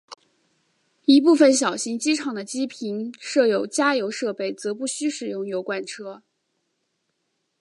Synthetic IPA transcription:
i˧˥p̬u˥˩fə˨˩nɕ̬jɑ˨˩ʊɕi˧˥ŋt͡ɕi˥ʈ͡ʂʰɑ˨˩ŋd̪ə˦t͡ɕi˥pʰi˧˥nʂɤ˥˩jo˧˩ʊt͡ɕja˥jo˧˥ʊʂɤ˥˧pe˥˩ɪt͡sɤ˧˥pu˥˩ɕy˥ʂɻ̩˨˩jʊ˥˩ŋjo˧˥ʊkwa˥˩nʈ͡ʂʰɤ˥

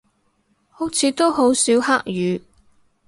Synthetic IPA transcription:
ho˨˥wt͡sʰiː˨˥t̪o˥who˨˥wsi˨˥whaː˥k̚jyː˨˧

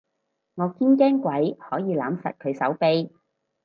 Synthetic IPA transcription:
ŋɔː˨˧kiː˥nkɛː˥ŋkʷɐ˨˥jhɔː˨˥jiː˨˧laː˨˥msɐ̰˨t̚kʰɵ˨˧ɥsɐ̰˨˥wpe˧j

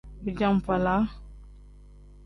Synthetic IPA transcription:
bi˨d͡ʒa˦ŋ˨pa˨la˨˦

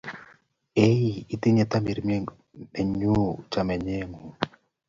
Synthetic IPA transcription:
e˦i˦˨i˦te˦ɲɛ˨t̪a˦mi˨ɾmje˦ | ɛ˨ɲu˦t͡ʃa˨mɛ˨ɲɛ˦ŋo˨

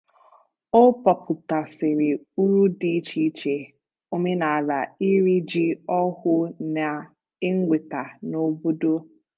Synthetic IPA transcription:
o˦pɔ˨pʰʊ˨ta˨sɪ˨ɾɪ˨ | u˦ɾu˦di˦t͡ʃi˦t͡ʃe˨ | o˦me˦na˨a˨la˨i˦ɾi˦d͡ʒi˦ɔ˦ɦʊ˦na˨ | ɪ˦ŋ̩˦ɡʷe˨ta˨no˦bo˦do˦

